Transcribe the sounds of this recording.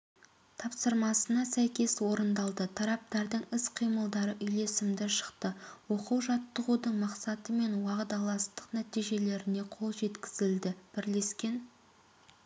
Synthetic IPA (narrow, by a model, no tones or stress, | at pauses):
t̪ʰɑpsəɾmɑsənɑsæjkʲe̞swo̞ɾənd̪ɑlˠd̪ət̪ʰɑɾɑp̚t̪ɑɾd̪əɴɪsqʰijməlˠd̪ɑɾəʔʏjle̞sɪmd̪ɪʃə̥qt̪əwo̞quwʒɑt̪ːəʁud̪əɴmɑqsɑt̪əme̞nwɑʁd̪ɑlˠɑst̪ə̥qnæt̪ijʒe̞le̞ɾɪne̞qʰo̞lˠʒe̞t̪kʲɪ̥zɪld̪ɪb̥ɪɾle̞skʲe̞n